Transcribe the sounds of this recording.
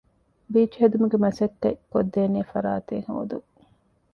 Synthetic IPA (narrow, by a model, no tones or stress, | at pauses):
biːt͡ʃɦed̪umuɡemɐsɐt̪ːekod̪ːeːneːfɐɾaːt̪eŋho̰ːd̪u